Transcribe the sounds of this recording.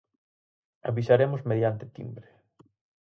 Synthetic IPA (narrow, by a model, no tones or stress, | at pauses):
a̰βisaɾemʊzmeðjant̪ɪt̪ḭmbɾe